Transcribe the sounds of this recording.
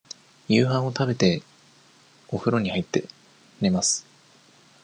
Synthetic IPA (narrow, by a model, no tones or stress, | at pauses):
jɯːɦãɰ̃o̞t̪abe̞t̪e̞ | o̞ɸɯ̟ɾo̞ɲ̟ihait̪ːe | ɾemasɨ̥